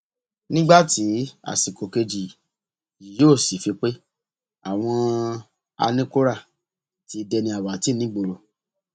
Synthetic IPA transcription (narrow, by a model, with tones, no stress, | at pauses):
nĩ˦ɡ͡ba˦˨ti˨˦a̰˨si˨ko˨ke˧d͡ʒi˨ | i˨joː˦˨si˨˦fi˧k͡pe˦ | a̰˨w̃ɔ̃˧ | a̰˧nĩ˦ko˦ɾa˦˨ | ti˧dɛ˧nĩ˧˦a˨wa˨ti˨˦nĩ˨˦ɡ͡bo˧ɾo˧˨